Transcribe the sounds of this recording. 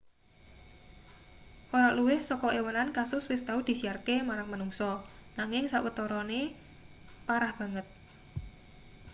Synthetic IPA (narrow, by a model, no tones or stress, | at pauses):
ʔoɾaluwɪhsɔkɔewənankasʊswɪst̪aud̪̥i̤siarkemaɾaŋmanuŋsɔ | naŋɪŋsaʔwət̪ɔɾɔne | paɾahb̥ä̤ŋət̪̚